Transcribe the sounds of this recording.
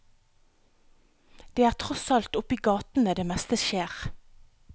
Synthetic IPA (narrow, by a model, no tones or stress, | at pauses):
d̪̥eːæːʁt̪ʰʁɔsɑlt̪ʊpiːɡɑːt̪n̩əd̪eːmɛst̪əʃeːʁ